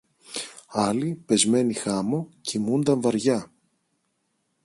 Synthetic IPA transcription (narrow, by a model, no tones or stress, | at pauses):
ɐlipe̞zme̞nixɐmocimund̪ɐɱvɐɾʝɐ